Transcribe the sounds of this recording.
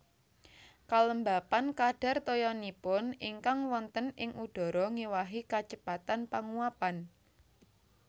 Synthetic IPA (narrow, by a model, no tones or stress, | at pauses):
kaləmbapankaɖ̥a̤rt̪ojɔnipʊniŋkaŋwɔnt̪ənɪŋʔuɖ̥ɔ̤ɾɔŋiwaɦikat͡ʃəpat̪anpaŋuapan